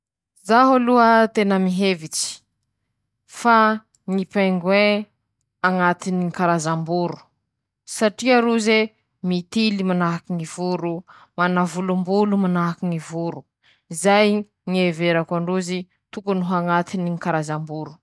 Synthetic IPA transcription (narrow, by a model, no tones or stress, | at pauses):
zaɦuluət̪enəmiɦevit͡si̥ | fa | ŋipajŋɡwe | aŋat̪iniikaɾazambuɾu̥ | saʈ͡ʂiaɾuze | mit̪ilimanaɦakiŋivuɾu | manavulumbulumanaɦakiŋivuɾu | izaj | ŋieveɾakaɳɖ͡ʐuzi | t̪ukunuɦaŋat̪iniŋikaɾazambuɾu̥